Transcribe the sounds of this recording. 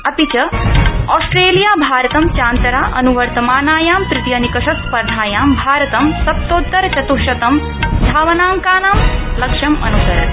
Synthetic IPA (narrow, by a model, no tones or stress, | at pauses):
ɐpit͡ʃɐɔːsʈɾeːlijaːbʱaːɾɐt̪ɐmt͡ʃaːnt̪ɐɾaːʔɐ̰nuʋɐɾt̪ɐmaːnaːjaːmpɾɪt̪jɐnikɐʃɐspɐɾd̪ʱaːjaːmbʱaːɾɐt̪ɐmsɐp̚t̪oːt̪ːɐɾt͡ʃɐt̪uʃɐt̪ɐm | d̪ʱaːʋɐnaːŋkaːnaːmlɐkʂɐmɐ̰nusɐɾɐ̰t̪